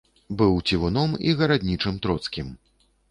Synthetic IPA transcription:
bɨwt͡sʲivunɔmiɣɐɾad̪ʲnʲit͡ʂɨmt̪ɾɔt̪skʲim

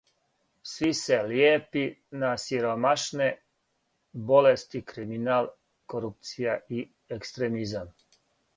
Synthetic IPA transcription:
sʋiseljeːpinasiɾomaʃne | bolest̪ikɾiminaːlˠ | koɾup̚t̪sijai | ekst̪ɾemizam

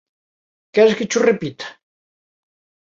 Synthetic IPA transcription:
kɛɾsket͡ʃurepit̪ḁ

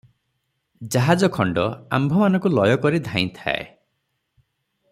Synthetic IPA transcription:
d͡ʒaɦad͡ʒɔkʰɔɳɖɔa̰mbʱɔmanɔ̃ŋkulɔjɔkɔɾid̪ʱaj̃t̪ʰa̰ḛ

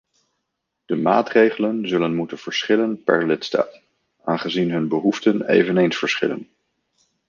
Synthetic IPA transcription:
d̥əma̰ːtrejχələnzɵlənmutənv̥əɹsχɪlənpɛ̰ɹlɪtsta̰ːt | aːnχəzinɦɵnbəɦuftənḛjvənejnsfəɹsχɪ̰lə̰n

